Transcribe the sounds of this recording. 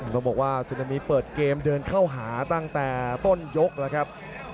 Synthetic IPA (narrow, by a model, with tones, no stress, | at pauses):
nɔː˧˩bɔː˨˩k̚waː˥˩su˧na˧miː˦˥pɤː˨˩t̪̚keː˧mdɤː˧nkʰa˥˩wɦaː˩˦t̪a˥˩ŋt̪ɛː˨˩t̪o˥˩njo˦˥k̚lɛː˦˥kʰa˦˥p̚